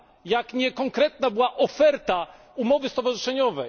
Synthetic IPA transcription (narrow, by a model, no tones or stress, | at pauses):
jakɲɛkɔŋkɾɛt̪nabɘwaʔɔfɛɾt̪a | umɔvɘst̪ɔvaʐɨʂɛɲɔvɛj